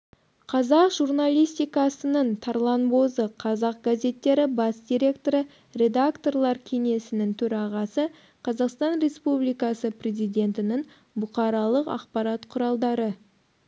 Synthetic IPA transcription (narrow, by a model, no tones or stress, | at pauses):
qʰɑzɑqʒurnalˠijst̪ijkɑsənəɴt̪ʰɑɾlˠɑnbo̞zəqʰɑzɑq̚ɡaze̞t̪ːe̞ɾɪbɑsd̪iɾʲe̞kt̪o̞ɾə | re̞d̪akt̪o̞rlˠɑɾkʲʰe̞ŋe̞sɪnɪŋt̪ʰɵɾɑʁɑsə | qʰɑzɑqst̪ɑnɾe̞spublijkɑsəpʰrʲe̞zijd̪ʲe̞nt̪ɪnɪŋ | bʊqɑɾɑlˠəqɑ̰qpɑɾɑt̪qʰʊɾɑlˠd̪ɑɾə